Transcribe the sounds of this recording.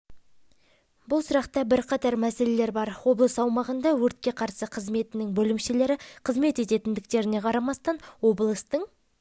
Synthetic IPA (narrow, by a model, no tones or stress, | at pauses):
bʊlˠsʊɾɑqt̪ɑbɪɾqʰɑt̪ɑɾmæse̞le̞le̞ɾbɑɾwo̞blˠəsɑwmɑʁənd̪ɑwɵɾt̪̚kʲe̞qʰɑɾsəqʰəzme̞t̪ɪnɪŋbɵlɪmʃele̞ɾɪqʰəzme̞t̪e̞t̪e̞t̪ɪnd̪ɪkt̪e̞ɾɪne̞qʰɑɾɑmɑst̪ɑnwo̞blˠəst̪əɴ